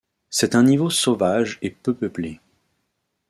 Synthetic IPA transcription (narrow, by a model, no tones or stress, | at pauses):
sɛt̪ɛ̃nivosovaʒepøpøple